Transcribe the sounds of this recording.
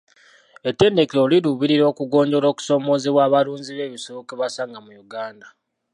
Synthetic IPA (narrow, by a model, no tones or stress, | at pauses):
etːe̞ːnde̞keoliɾuβiɾiɾo̞ːkuɡo̞ːɲɟo̞lo̞ːku̥so̞ːmo̞ːzeβwaːβaluːnziβe̞ːβisoβokeβasaːŋɡamujuɡaːnda